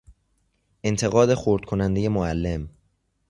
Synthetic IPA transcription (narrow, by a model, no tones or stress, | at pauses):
ʔe̞nt̪ʰe̞ɣɒːd̪e̞xoɾd̪̥̚kʰo̞nænd̪e̞je̞moælːe̞m